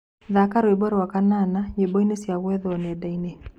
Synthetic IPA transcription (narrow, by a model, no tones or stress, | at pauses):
ðakaɾoebɔɾwakananaɲebɔinesjaɣwɛðɔnɛdaine